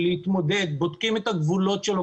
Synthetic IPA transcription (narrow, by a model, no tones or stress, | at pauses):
leit̪mod̪ed̪̚bod̪kimet̪aɡvulo̞t̪ʃelo